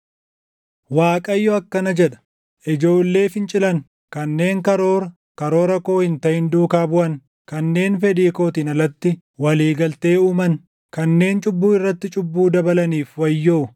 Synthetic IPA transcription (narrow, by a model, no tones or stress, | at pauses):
waːkʼɐjːɔɐkːɐnɐd͡ʒɛᶑɐ̥ | ʔɪd͡ʒo̞ːlːe̞ːfɪnt͡ʃʼɪlɐn | kɐnːe̞ːŋkɐɾo̞ːɾɐ | kɐɾo̞ːɾɐko̞ːhɪnt̪ɐʔɪnd̪uːkaːbʊʔɐn | kɐnːe̞ːnfɛd̪iːko̞ːt̪iːnɐlːɐt̪ːɪ | wɐliːɡɐlt̪e̞ːuːmɐn | kɐnːe̞ːnt͡ʃʼʊbːuːɪrːɐt̪ːɪt͡ʃʼʊbːuːd̪ɐbɐlɐniːfwɐjːoː